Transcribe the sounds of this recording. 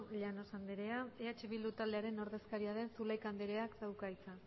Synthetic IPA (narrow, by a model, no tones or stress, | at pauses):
ʎano̞sand̪eɾe̞aeat͡ʃe̞βild̪ut̪ald̪eaɾe̞no̞ɾðe̞skaɾiaðe̞nsulajkand̪eɾe̞akd̪awkajt͡sa